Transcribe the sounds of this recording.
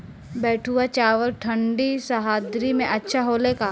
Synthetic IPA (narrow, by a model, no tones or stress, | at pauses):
bɛːʈʰuat͡ʃaːʋəlʈʰɐ̃ɳɖisɐɦaːd̪ɾimẽʔɐtːʃʰaɦoːlekaː